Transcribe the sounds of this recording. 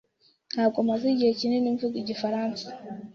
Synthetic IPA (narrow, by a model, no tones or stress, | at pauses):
n̥haːbɡomaziɟihe̞cineniːɱvuɡiɟifaɾaːnsḁ